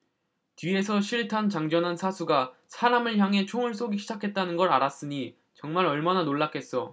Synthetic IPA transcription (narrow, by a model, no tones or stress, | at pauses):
tɥie̞sʰʌɕʰiɭtʰant͡ɕaŋd͡ʑʌnɦansʰasʰuɡasʰaɾamɯɭçjaŋe̞t͡ɕʰoŋɯɭs͈oɡiɕʰid͡ʑakʰe̞t̚t͈anɯnɡʌɾaɾas͈ɯɲi | t͡ɕʌŋmaɾʌɭmananoɭːakʰe̞s͈ʌ